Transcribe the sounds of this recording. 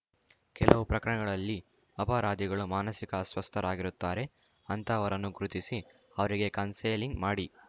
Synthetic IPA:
kɛlɐʋupɾɐkɐɾɐɳɐɡɐɭɐlːi | ɐpaːɾaːd̪iɡɐɭumaːnɐsikɐsʋɐst̪ʰɐɾaːɡiɾut̪ːaːɾe̞ | ɐnt̪ɐːʋɐɾɐnːuɡɾut̪isi | ɐʋɐɾiɡe̞kɐnseːliŋɡmaːɽi

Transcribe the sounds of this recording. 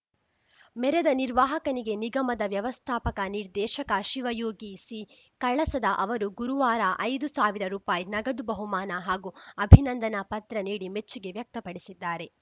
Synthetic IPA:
mɛɾed̪ɐniɾʋaːɦɐkɐniɡe̞niɡɐmɐd̪ɐʋjɐʋɐst̪ʰaːpɐkɐniɾd̪ɛːʃɐkɐʃiʋɐjoːɡisi | kɐɭɐsɐd̪ɐʔɐʋɐɾuɡuɾuʋaːɾaʔɐjd̪usaːʋiɾɐɾuːpaːjinɐɡɐd̪ubɐɦumaːnɐɦaːɡuɐbʱinɐnd̪ɐnɐpɐt̪ɾɐniːɽimet͡ʃːiɡe̞ʋjɐk̚t̪ɐpɐɽisid̪ːaːɾe̞

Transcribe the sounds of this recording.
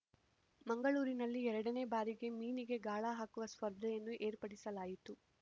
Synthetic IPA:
mɐŋɡɐɭuːɾinɐlːiɛɾɐɽɐne̞ːbaːɾiɡe̞miːniɡe̞ɡaːɭaːɦaːkuʋɐspɐɾd̪ʱɐjɐnːuʔe̞ːɾpɐɽisɐlaːjit̪u

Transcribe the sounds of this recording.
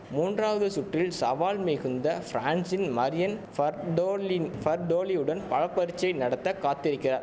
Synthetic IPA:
muːndraːʋɐðɯsʊʈːɪlsɐʋaːlmeːɣɯnd̪ɐfɾaːɳsɪnmɐɾɪjɐn | ɖfɐɾɖoːliɯɽɐnpɐɻɐpːɐɾɪt͡ʃːɐɪnɐɽɐt̪ːɐkaːt̪ːɪɾɪkːɪraːɾ

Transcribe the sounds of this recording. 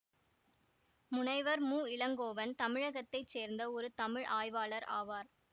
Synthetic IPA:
mʊnɐɪʋɐɾmuːɪlɐŋɡoːʋɐnt̪ɐmɪɻɐɣɐt̪ːɐɪt͡ʃseːɾnd̪ɐɔɾɯt̪ɐmɪɻʔaːjʋaːlɐɾa̰ːʋaːɾ

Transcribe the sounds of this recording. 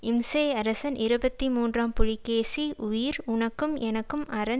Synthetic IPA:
ɪmseːɐɾɐsɐnɪɾɯbɐt̪ːimuːndraːmpʊɻɪkːeːsiʊjɪɾʊɳɐkːɯmɛnɐkːɯmɐɾɐn

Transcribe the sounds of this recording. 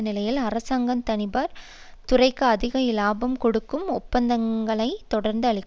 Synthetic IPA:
nɪlɐjɪlɐɾɐsaːŋɡɐmt̪ɐnɪbaːɾ | t̪ʊrɐɪkːɯɐðɪɣɐjɪlaːbɐmkɔɽɯkːɯmʊpːɐnd̪ɐŋɡɐɭɐɪt̪ːɔɽɐɾnd̪ɯɐɭɪkː

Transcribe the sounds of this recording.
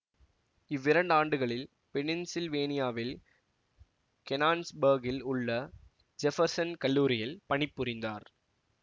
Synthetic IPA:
ɪʋːɪɾɐɳɖaːɳɖɯɣɐɭɪl | pɛnɪnsɪlʋeːnɪjaːʋɪl | kɛnaːnsbɐɾɡɪlʊɭːɐ | d͡ʒɛfɐɾsɐnkɐlːuːɾɪjɐlpɐɳɪpːʊɾɪnd̪aːɾ

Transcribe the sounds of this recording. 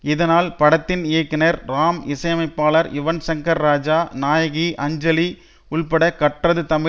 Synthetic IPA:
ɪðɐnaːlpɐɽɐt̪ːɪnɪjɐkːɪnɐɾɾaːmɪsɐjɐmɐɪpːaːlɐɾjɪʋɐnsɐŋkɐɾːaːd͡ʒaːnaːjɐɣiʔɐɲd͡ʒɐli | ʊɭpɐɽɐkɐʈrɐðɯt̪ɐmɪ

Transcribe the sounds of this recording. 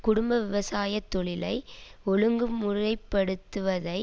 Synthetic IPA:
kʊɽʊmbɐʋɪʋɐsaːjɐt̪ːɔɭɪlɐɪɔɻɯŋɡɯmʊrɐɪpːɐɽɯt̪ːɯʋɐðɐɪ

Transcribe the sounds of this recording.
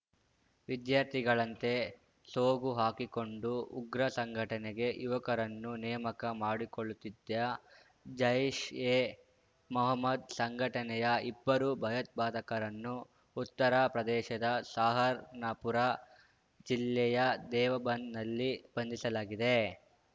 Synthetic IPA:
ʋid̪jaːɾt̪ʰiɡɐɭɐnt̪e̞ | soːɡuɦaːkiko̞ɳɖuuɡɾɐsɐŋɡʱɐʈɐnɛɡe̞juʋɐkɐɾɐnːunɛjmɐkɐmaːɽikoɭut̪id̪ɐ | d͡ʒɐjiʃeː | mɔɦɐmːɐd̪sɐŋɡʱɐʈɐnɛjɐibːɐɾubʱɐjɐt̪̚bʱaːd̪ɐkɐɾɐnːuː | t̪ːɐɾapɾɐd̪ɛːʃɐd̪ɐsaːɦɐɾnɐpuɾa | d͡ʒilːɛjɐd̪ɛːʋɐbɐnnɐlːib̥ɐnd̪isɐlaːɡid̪e

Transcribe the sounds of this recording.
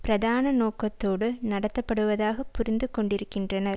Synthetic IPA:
pɪɾɐðaːnɐnoːkːɐt̪ːoːɽɯnɐɽɐt̪ːɐpːɐɽɯʋɐðaːɣɐpːʊɾɪnd̪ɯkɔɳɖɪɾɯkːɪndrɐnɐɾ

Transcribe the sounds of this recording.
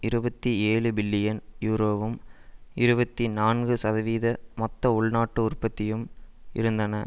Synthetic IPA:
ɪɾɯbɐt̪ːieːɭɯbɪlːɪjɐnjuːɾoːʋɯmɪɾɯbɐt̪ːinaːnɡɯsɐðɐʋiːðɐmɔt̪ːɐʊɭnaːʈːɯʊrpːɐt̪ːɪjɯmɪ̰ɾɯnd̪ɐnɐ

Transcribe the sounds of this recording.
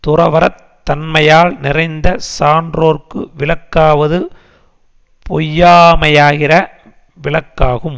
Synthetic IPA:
t̪ʊrɐʋɐɾɐ | t̪ːɐnmɐjaːlnɪrɐɪnd̪ɐsaːndroːrkɯʋɪɭɐkːaːʋɐðɯ | pʰɔjːaːmɐjaːɣɪrɐ | ʋɪɭɐkːaːɣɯm

